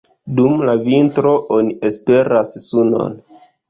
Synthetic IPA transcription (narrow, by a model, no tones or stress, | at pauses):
dumlavintɾo̞ʔonie̞spe̞ɾassuno̞̰n